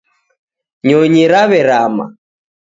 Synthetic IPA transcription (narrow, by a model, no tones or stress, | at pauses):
ɲɔɲiɾaβɛɾama̰